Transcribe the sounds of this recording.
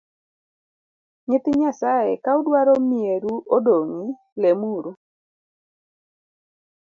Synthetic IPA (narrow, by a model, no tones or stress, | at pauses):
ɲɪt̪ɪɲasajekaʊdwaɾomieɾuodoŋi | lemuɾu